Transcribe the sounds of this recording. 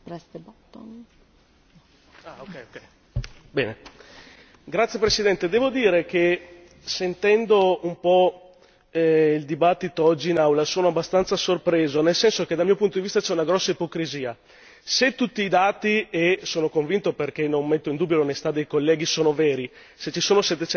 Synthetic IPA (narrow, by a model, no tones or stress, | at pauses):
pɾɛst̪ebot̪ːon | aokːɛjokːɛj | bɛːne | ɡɾat̪sjepɾesid̪ɛnt̪ed̪ɛːvod̪iːɾek̟e | sent̪ɛnd̪oumpɔ | ild̪ibat̪ːit̪oɔd͡ʒːiːnawlasoːnoabːast̪ant̪sasorpɾeːzonelsɛnsok̟ed̪almijopunt̪od̪ivist̪at͡ʃɛunaɡɾɔsːaipokɾiziːa | set̪ːut̪ːiːd̪aːt̪iesoːnokoɱvint̪operkenommet̪ːoind̪uːbjolonesi̥t̪ad̪ejkolːɛːɡ̟isoːnovɛːɾi | set͡ʃːisoːnosɛt̪ːet͡ʃɛ